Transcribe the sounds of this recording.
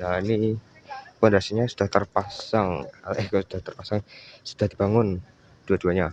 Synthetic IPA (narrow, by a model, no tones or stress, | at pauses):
naini | pɔndɾasiɲasu̥d̥aht̪ərpasaŋalksud̥aht̪ərpasaŋsud̥ahdibaŋʊn | d̥uaduaɲa